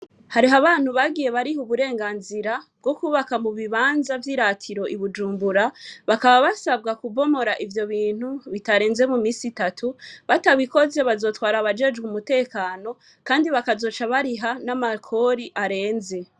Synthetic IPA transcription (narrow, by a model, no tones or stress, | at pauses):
haɾiɦaβaːn̥huβaɡije̞βaɾihuβuɾe̞ːŋɡaːnziɾab̚ɡo̞kuːβakamuβiβaːnzavjiːɾatʰiɾo̞ʔiβud͡ʒuːmbuɾaβakaβaβasaβɡakubo̞mo̞ɾaʔivjo̞βiːn̥huβitaɾe̞ːnze̞mumiːsitatʰuβataβwiko̞ze̞βazo̞ːtwaːɾaβad͡ʒe̞d͡ʒɡumute̞ːkaːno̞ | kaːndiβakazo̞ːt͡ʃaβaɾiɦanamakʰo̞ːɾiʔaɾe̞ːnze̞